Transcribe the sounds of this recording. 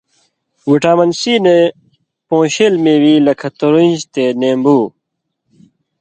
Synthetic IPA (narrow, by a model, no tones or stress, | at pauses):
wiʈaːmɐnsiːne | põːɕeːlmẽːwiːlɐkʰɐt̪oɾund͡ʑt̪enẽːmbuː